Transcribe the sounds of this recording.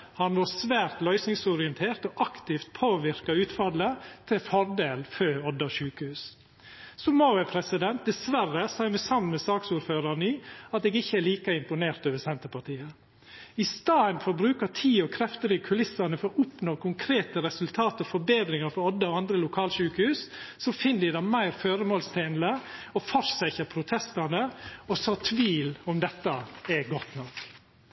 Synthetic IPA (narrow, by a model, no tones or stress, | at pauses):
hɑnʋɔɾsʋæːɾt̪lœʏsnɪŋsʊɾɪɛnt̪ʰeːɾt̪ɔʔɑkt̪ɪft̪̚pʰoːʋɪɾkɑʉːt̪fɑd̪lət̪ʰɪfɔɾd̪eːlføːɔd̪ːɑʃʉːkəhʉːs | sɔmoːɛpʰɾɛsɪd̪ɛnt̪̚d̪ɛsʋærəsɑːmɛsɑmnmɛsɑːksuːɾføːɾɑnəɪːɑt̪eːɡɪçːəɛɭiːkɑɪmpʊneːɾt̪øːʋəsɛnt̪əpɑʈiːə | ɪst̪ɑːənfɔɾbɾʉːkəʈʰiːɔkʰɾɛft̪əɾɪkʰʉlɪsːɑnəfɔɾɔʔʊpnoːkʰʊŋkʰɾeːt̪əɾɛsʉlt̪ʰɑːt̪əɾɔfɔɾbeːd̪ɾɪŋəɾfɔɾɔd̪ːəɔɑnd̪ɾəlʊkʰɑːlʃʉːkəhʉːsːɔfɪnːəd̪ɪd̪ɑmæɪɾføːɾəmoːlst̪ʰeːnləɔfɔɾsɛçəɾpʰɾʊt̪ʰɛst̪ɑnəɔsɑt̪ʰʋiːlɔmd̪ɛt̪ːɑɛɡɔt̪nɔk